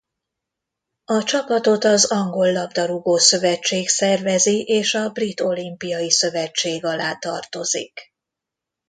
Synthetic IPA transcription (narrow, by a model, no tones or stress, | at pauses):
ɒt͡ʃɒpɒt̪o̞t̪ɒzɒŋɡo̞lːɒbd̪ɒɾuɡoːsø̞vɛt͡ʃːeːksɛrvɛziʔeːʃɒbrit̪o̞limpijɒjisø̞vɛt͡ʃːeːɡɒlaːt̪ɒrt̪o̞zḭk